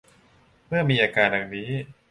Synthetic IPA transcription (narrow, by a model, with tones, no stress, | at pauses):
mɯ˥˩ɐmiː˧ʔaː˧kaː˧tn̚ja˨˩ŋniː˦˥